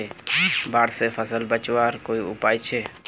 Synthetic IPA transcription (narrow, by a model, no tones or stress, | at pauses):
ebaɽsepʰəsəlbət͡ʃwaɾkoiupajt͡ʃʰɛ